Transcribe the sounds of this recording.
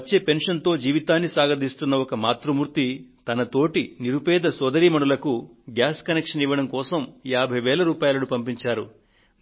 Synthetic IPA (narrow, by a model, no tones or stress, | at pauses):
t͡ʃːeːpe̞nʂɐnt̪o̞ːd͡ʒiːʋit̪aːnːisaːɡɐd̪ist̪unːɐɔkɐmaːt̪ɾumuːɾt̪it̪ɐnɐt̪o̞ːʈiniɾupɛːd̪ɐsɔd̪ɐɾiːmɐɳulɐku | ɡjaːskɐnekʂɐniʋɐɽɐmkɔːsɐmjaːbʱɐjʋɛːlɐɾuːpaːjɐlɐnupɐmpiɲt͡ʃaːɾṵ